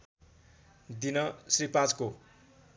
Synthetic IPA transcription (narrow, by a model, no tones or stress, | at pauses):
d̪inʌsripad͡zko